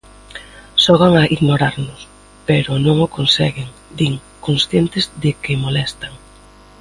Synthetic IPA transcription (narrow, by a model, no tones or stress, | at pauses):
ʃɔɣ̞aŋaʔiɣnoɾaɾnʊs | peɾʊnõŋʊkonsɛɣɪŋ | d̪iŋ | konsθjent̪ɪzðɪkɪmolɛst̪aŋ